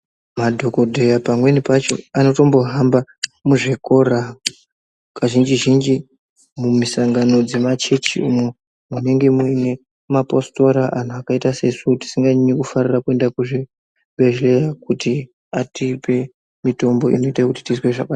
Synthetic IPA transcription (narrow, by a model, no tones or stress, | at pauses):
madʱo̞ko̞dʱejapamwe̞nipat͡ʃo̞̰ano̞to̞mbo̞ɦambamuʐeko̞ra | kaʒind͡ʒiʒind͡ʒi | mumisaŋɡano̞d͡ze̞mat͡ʃe̞t͡ʃḭṵmwe | mune̞ŋɡe̞muine̞ | maposto̞ɾaʔan̤uakaitase̞suti̥siŋɡaɲɲekufarirakue̞ndakuʐe | bʱeʒlejakuti | atipe̞ | mito̞mbo̞ḭno̞itakuti̥tisweʐa̰ka